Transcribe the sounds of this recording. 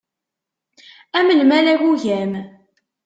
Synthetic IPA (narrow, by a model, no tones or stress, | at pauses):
æməlmælæʝuʝæm